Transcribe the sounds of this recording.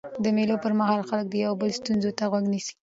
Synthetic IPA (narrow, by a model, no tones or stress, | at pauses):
d̪əmelopəɾmahɑlxalək̚d̪əjawbəlst̪unzot̪aɣwaɡnisi̥